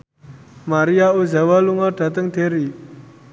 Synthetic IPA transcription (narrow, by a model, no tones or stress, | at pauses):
maɾijauzawaluŋarɖ̥a̤t̪əŋd̪̥e̤ɾi